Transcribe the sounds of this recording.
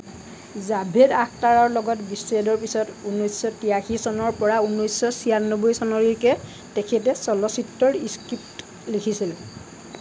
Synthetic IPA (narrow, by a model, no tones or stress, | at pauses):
zabʱedakʰtaɹɔɹlɔɡɔtbisedɔɹpisɔtunɔjsːɔtijaxisɔnɔɹpɔɹaunːɔjsːɔsianːɔbojsɔnɔɹikɛ | tekʰɛtɛsɔlɔsitːɔɹiskɹipt | likʰisil